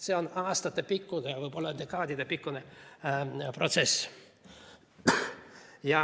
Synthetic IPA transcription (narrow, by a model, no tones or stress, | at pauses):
se̞o̞nɑːst̪ɑt̪ːepikːud̪evɯjpo̞lːɑnd̪ekːɑːd̪ʲid̪epikːune | pro̞t̪se̞s | jɑ